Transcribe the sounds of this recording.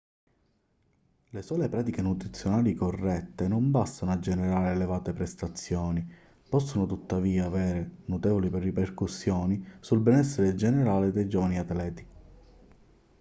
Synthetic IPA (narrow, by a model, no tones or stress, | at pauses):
lesɔːlepɾaːt̪ikenut̪ɾit̪sːjonaːlikorːɛt̪ːenombast̪anoad͡ʒːeneɾaːɾeːlevaːt̪epɾest̪at̪sːjɔːni | pɔsːonot̪ut̪ːaviːaːvɛːɾenut̪ɛːvoliprːiperkusːjɔːnisulbɛnɛsːeɾed͡ʒeneɾaːled̪ejd͡ʒɔːvaniat̪lɛːt̪i̥